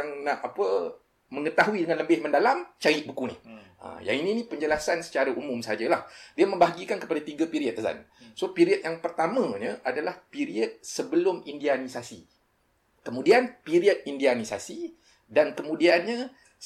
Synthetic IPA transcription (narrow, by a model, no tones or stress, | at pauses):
aŋnaʔapə | mə̃ŋət̪aɦuidəŋanləbɪhmə̃ndalamt͡ʃaɾiʔ̚bukunḭə̰ja̰ŋinĩnĩpəɲd͡ʒəlasansə̥t͡ʃaɾaʔumʊ̃msəɦad͡ʒalahdiamə̃mbaɦaɡikankə̥padat̪iɡapiɾiət̪ːəsa̰nsopiɾiət̪̚jaŋpərt̪amãɲə̃ʔadalahpiɾiət̪̚səbəlʊmindianisasi | kəmũdianpiɾiət̪̚indianisasi | dankəmũdianɲã